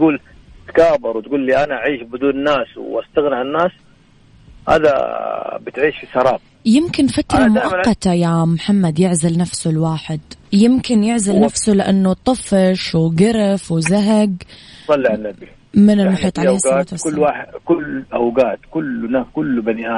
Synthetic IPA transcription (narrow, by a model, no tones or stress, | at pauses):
t̪ɡuːl | t̪kaːbɑɾˤwt̪̚ɡuːlːiːʔanaʔaʕiːʃbɪd̪uːnnaːswʔast̪aɣnɪʕɪnːaːs | ha̰ːd̪a̰bɪt̪ʕiːʃfisɑɾˤɑːb | jɪmkɪnfat̪ɾˤɑmʊʔʔɑqːɑt̪ajamħamːad̪jɪʕzalnafsʊlwaːħɪd̪jɪmkɪnjɪʕzalnafsulɪʔanːut̪ˤɨfɪʃwɡɪɾɪfwɪzaɦaɡsˤɑlːiʕanːabi | mɪnɪlmʊħiːt̪ˤʕasat̪ʊːwaːħɪkʊlʔawɡaːt̪kʊlnaːkʊlːbaniʔaː